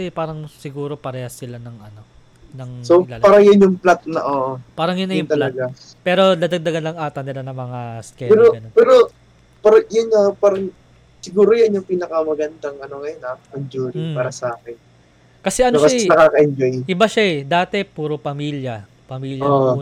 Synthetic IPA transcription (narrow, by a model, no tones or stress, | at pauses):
paːɾɐŋsɪɡuːɾo̞pɐɾɛhɐsɪlanɐŋʔɐno̞ | nɐŋsoɪlaːlpaːɾɐjɐnjʊŋplat̪̚nɐ̰ʔoːʔopaːɾɐŋjʊnːɐjjʊt̪ɐlaɡa | pɛːɾo̞d̪ɐd̪ɐɡ̚d̪ɐɡɐnlɐŋʔaːt̪ɐnɪlanɐŋmɐŋaskɛɛɾoɡɐnopɛːɾo | paɾɐjʊnːɐpaːɾɐŋ | sɪɡuːɾojɐnjʊŋpiːnɐkɐmɐɡɐnd̪ɐŋɐnoŋɐjonʔaʔɐnd͡ʒuːɾipaːɾɐsɐaːkɛn | kɐsɛʔɐnokɐɛnɐkaːkɐʔɪnd͡ʒojʔɪbaʃaɛd̪aːt̪ɛpuːɾopɐmiːljɐ | pɐmiːljoʔ